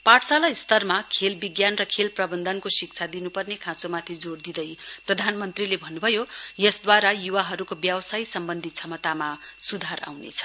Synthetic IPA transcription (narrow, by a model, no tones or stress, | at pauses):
paʈʰsalaist̪ʌrmakʰelbiɡjanrʌkʰelprʌbʌnd̪ʱʌnkosik̚t͡sʰad̪inupʌrnekʰãt͡somat̪ʰid͡zord̪id̪ʌjprʌd̪ʱanmʌnt̪rilebʱʌnːubʱʌjojʌsd̪waɾajuwaɦʌɾukobjʌwsajsʌmbʌnd̪ʱit͡sʰʌmʌt̪amasud̪ʱaɾa̰wnḛt͡sʰʌ̥